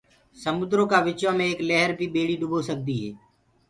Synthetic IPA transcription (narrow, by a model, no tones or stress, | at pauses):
səmʊd̪ɾõːkaːʋɪt͡ʃʋãːmẽeːklɛːɦəɾbʱiːɓeːɽiːɖʊbʱoːsək̚d̪iːɦɛː